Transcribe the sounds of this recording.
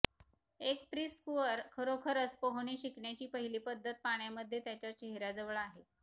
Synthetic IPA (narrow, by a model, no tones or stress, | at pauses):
ekpɾiskuəɾkʰəɾokʰəɾət͡spəɦɳ̃iːɕikɳjat͡ɕiːpəɦiliːpəd̪ʱːət̪̚paɳjaməd̪ʱːjet̪jat͡ɕjat͡ɕeɦɾad͡zəʋɭaɦe